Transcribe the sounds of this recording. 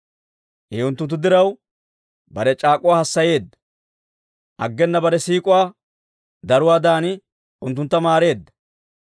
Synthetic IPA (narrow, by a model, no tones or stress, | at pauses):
ʔɛʊnt̪ːʊnt̪ːʊd̪ɪɾɐw | bɐɾɛt͡ʃʼaːkʼʊwaːhɐsːɐje̞ːd̪ːɐ̥ | ʔɐ̰ɡːɛnːɐbɐɾɛsiːkʼʊwaː | d̪ɐɾʊwaːd̪aːnɪ | ʔʊnt̪ːʊnt̪ːɐmaːɾe̞ːd̪ːɐ̥